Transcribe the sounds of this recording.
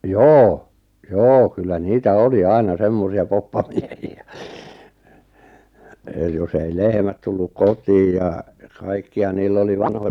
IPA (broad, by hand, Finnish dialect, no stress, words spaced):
joː joː kylːæ niːtæ oli ɑinɑ semːosiɑ popːɑmiehiæ eˑ jos ei lehmæt tulːuk kotˑiːj̆ jɑ kɑikːiɑ niːlː oli ʋɑnhojɑ